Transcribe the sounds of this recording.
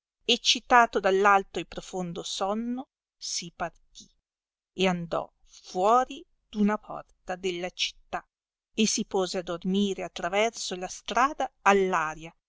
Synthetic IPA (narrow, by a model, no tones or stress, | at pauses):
et͡ʃːit̪aːt̪od̪alːalt̪oipɾofond̪osɔnːo | sipart̪i̥ | eand̪ɔ̰ | fwɔːɾi | d̪̥unapʰɔ̰rt̪ad̪elːat͡ʃi̥t̪ːa | esːipoːzead̪ːormiːɾeat̪ːɾavɛrsolast̪ɾaːd̪aːlːaːɾja